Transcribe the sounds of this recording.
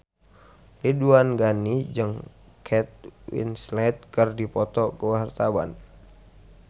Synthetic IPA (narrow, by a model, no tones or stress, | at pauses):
liduanɡanid͡ʒɨŋ | kʰɛt̪̚wḭnslɛt̪̚kərdipɔt̪ɔkuwɦart̪aba̰n